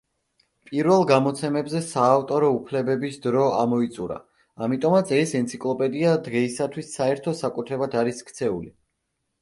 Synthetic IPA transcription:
pʼiɾvɛlˠɡamɔt̪sʰɛmɛbzɛsaːft̪ʼɔɾɔupʰlɛbɛbisd̪ɾɔamɔit̪sʼuɾa̰ | amit̪ʼɔmat̪sʰɛsɛnt̪sʰikʼlˠɔpʼɛd̪iad̪ʁɛisat̪ʰwisːaɛɾt̪ʰɔsakʼut̪ʰɾɛbad̪aɾiskʰt̪sʰɛuli

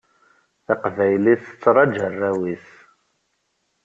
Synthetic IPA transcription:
θæqvæjliθə̥t͡sːɾˤɑd͡ʒərːæwiθ

